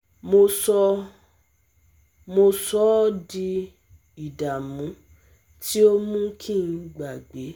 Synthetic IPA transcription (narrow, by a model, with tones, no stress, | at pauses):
mo˧sɔ˧ | mo˧sɔ˦di˧ | i˨da˨mũ˨˦ | tʰi˦o˦mũ˦kʰĩ˦˨n̩˧ɡ͡ba˨ɡ͡be˨˦